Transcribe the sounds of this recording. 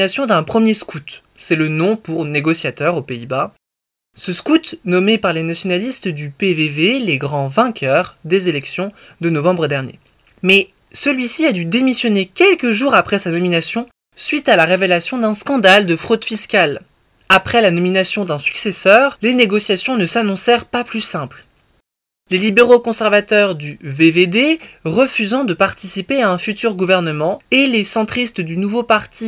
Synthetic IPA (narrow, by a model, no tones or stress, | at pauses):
asjɔ̃d̪ɛ̃pχəmjeskut̪ | sɛlənɔ̃puʁneɡɔsjat̪œʁopeiba | səskut̪nɔmepaʁlenasjɔnalist̪d̪ypeveveleɡʁɑ̃vɛ̃kʲʰœʁd̪ezelɛksjɔ̃ | d̪ənɔvɑ̃bʁəd̪ɛʁnjḛ | mɛ | səlɥisiad̪yd̪emisjɔnekʲɛlkəʒuʁapχɛsanɔminasjɔ̃ | sɥit̪alaʁevelasjɔ̃d̪ɛ̃skɑ̃d̪ald̪əfχod̪fiskʲal | apχɛlanɔminasjɔ̃d̪ɛ̃sy̥ksesœʁleneɡɔsjasjɔ̃nəsanɔ̃sɛʁpaplysɛ̃pl | lelibeʁokɔ̃sɛʁvat̪œʁd̪yveved̪eʁəfyzɑ̃d̪əpaʁt̪isipeaɛ̃fyt̪yʁɡuvɛʁnəmɑ̃elesɑ̃t̪χist̪d̪ynuvopaʁt̪ʰi